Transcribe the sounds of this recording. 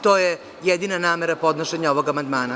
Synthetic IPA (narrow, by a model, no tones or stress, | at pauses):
t̪oːje | jed̪inanaːmeɾapo̞d̪noʃeɲaoʋo̞ɡamand̪maːna